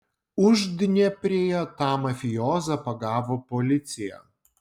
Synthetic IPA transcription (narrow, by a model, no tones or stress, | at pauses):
ʊʒd̪ʲnʲɛpʲɾʲeːjɛt̪ɑːmɐfʲɪjɔːzɐpɐɡɑːʋoːpɔlʲɪt̪sʲɪjɛ̰